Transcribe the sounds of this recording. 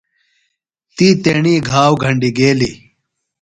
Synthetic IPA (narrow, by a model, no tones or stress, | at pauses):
t̪iːt̪eɳiːɡʱaːwɡʱɐɳɖiɡeːli